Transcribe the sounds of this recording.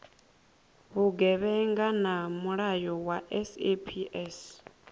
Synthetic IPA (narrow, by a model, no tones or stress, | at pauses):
βuɡɛβɛŋɡanamuɺajɔwaʔɛsepʰiʔɛs